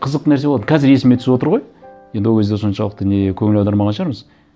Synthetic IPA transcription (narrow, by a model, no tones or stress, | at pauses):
qʰəzəq̚t̪ənæɾseolˠɑkqʰɑzɪɾe̞sɪmet̪ʰʏ̥sbwo̞t̪əɾʁo̞jjend̪ɪwokʰezd̪eso̞nʃɑlˠəqt̪ənekʲʰɵŋɪlɑwd̪ɑɾmɑʁɑnʃəʁɑɾməz